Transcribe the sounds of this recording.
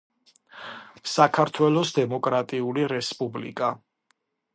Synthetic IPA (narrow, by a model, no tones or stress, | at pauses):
sakʰaɾt̪ʰwɛlˠɔsd̪ɛmɔkʼɾat̪ʼiuliɾɛspʼublḭkʼa